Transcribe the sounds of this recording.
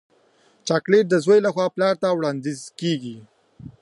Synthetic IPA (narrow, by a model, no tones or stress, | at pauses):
t͡ʃɑkleʈ̚d̪əzwəjlaxwɑplɑɾt̪awɽɑnd̪ɪzkeɡi